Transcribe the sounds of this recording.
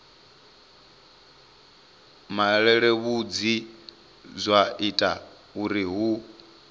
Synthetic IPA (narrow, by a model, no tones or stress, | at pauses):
maɺɛɺɛβud͡zi | zʷaʔitʼa | uɾiɦu